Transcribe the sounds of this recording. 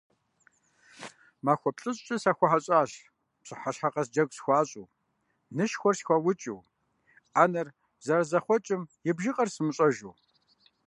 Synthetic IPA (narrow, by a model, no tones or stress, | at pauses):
maːxʷɔpɬʼɨɕʼt͡ʃʼɐsaːxʷɔħaɕʼaːɬ | pɕʼɨħaɕħaqɐsd͡ʒɐɡʷsxʷaːɕʼuː | nɨʃxʷɔrsxʷɐwʊt͡ʃʼuw | aːnɐr | zɐɾzɐχʷɔt͡ʃʼɪmjɪbʒiqʼɐrsɨmɨɕʼɐʒuː